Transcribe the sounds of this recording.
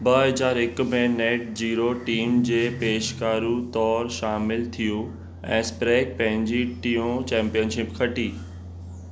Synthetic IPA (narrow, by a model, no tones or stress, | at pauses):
bɐɦɐzaːɾɪkmẽneːʈ̚d͡ʑiːɾoʈiːmd͡ʑeːpeːʃkaːɾũt̪ɔːɾʃaːmɪlt̪ʰiju | ɛ̰̃ːspɾɛːk̚pɐ̃ɦɪ̃ɲd͡ʑiʈijõt͡ɕɛ̃ːmpijənʃɪpkʰɐʈiː